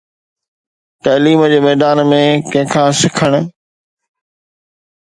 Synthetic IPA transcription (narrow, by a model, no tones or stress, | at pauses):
t̪ɐːliːmd͡ʑeːmɛːd̪aːnmẽkɐ̃ɦɪ̃kʰãːsɪkʰəɽ̃̆